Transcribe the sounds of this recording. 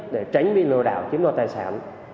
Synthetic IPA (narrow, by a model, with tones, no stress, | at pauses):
t̚ɗe˧˩t͡ɕa˨˦jŋ̟ɓi˧˨lɨ˧əɗa̰ː˧˨wt͡ɕi˨˦nɔ˧˩t̪aː˧jsa̰ː˧˩n